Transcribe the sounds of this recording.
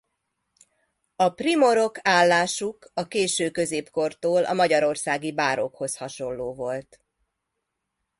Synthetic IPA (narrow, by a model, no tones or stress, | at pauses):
ɒprimo̞ɾo̞kaːlːaːʃukɒkeːʃøːkø̞zeːpko̞rt̪oːlʔɒ̰mɒɟɒɾo̞rsaːɡibaːɾo̞̰kho̞shɒʃo̞lːoːvo̞lt̪